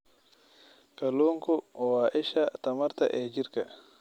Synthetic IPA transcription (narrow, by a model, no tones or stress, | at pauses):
kɐloŋkʊwaːʔɪʃat̪ɐmɐɾt̪ɐ̰ʔɛːd͡ʒiɾkɐ